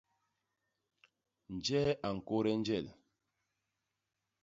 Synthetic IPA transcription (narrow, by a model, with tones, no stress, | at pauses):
n̩˨d͡ʒɛ˦ʔa˨ŋ̩˨ko˦ɾɛ˦n˦d͡ʒɛ˦˨l